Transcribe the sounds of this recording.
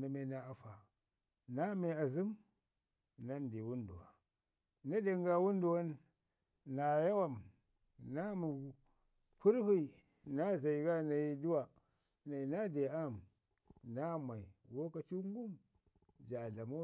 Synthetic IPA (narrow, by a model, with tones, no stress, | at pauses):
na˨me˦na˦a˨fa˨ | na˦me˨a˨zi˦m | na˦ndi˨wu˦ndṵ˨wa̰˨ | na˦de˨ŋɡa˨wu˦n˦du˨wa˦nː | a˨ja˦wa˦˨m | na˦mi˨ | ku˦ɾhi˦˨ | na˦za˨i˨ɡa˦na˨ji˦du˦wa˨ | na˨i˨na˦de˨a˦˨m | na˦ma˨i˨wo˦ka˨t͡ʃi˦ŋ˦ɡu˦m | d͡ʒa˨ɮa˨mo˦